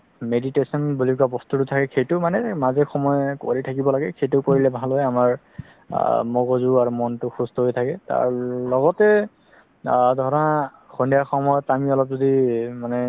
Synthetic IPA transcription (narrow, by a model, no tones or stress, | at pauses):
meditesɔnbulik̬abɔstutʊtʰakɛxejtʊmanɛmazɛxɔmɔjko̰ɹitʰakibɔlaɡɛxejtʊkoɹilɛbʱalojamaɹ | mɔɡɔzuaɹumɔntʊxustʰɔɦojtʰakɛta̰ɹlɔɡɔtɛ | dʱɔɹɔna | xɔndijaxɔmɔjɔtamiɔlɔp̚zodimanɛ